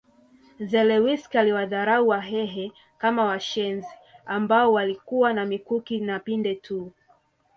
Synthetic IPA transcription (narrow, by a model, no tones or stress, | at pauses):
zɛlɛwiskaliwaðaɾauwaɦɛɦɛ | kamawaʃɛnziambaɔwalikuwanamikukinapindɛtʰu